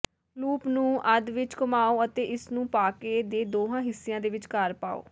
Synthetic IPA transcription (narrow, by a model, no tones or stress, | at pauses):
luːpnũːʔəd̪ʋɪt͡ʃkəmaːoːət̪eːʔɪsnũːpaːkeːd̪eːd̪oːɦãːɦɪsːijãːd̪eːʋɪt͡ʃkəɾpaːo̰ː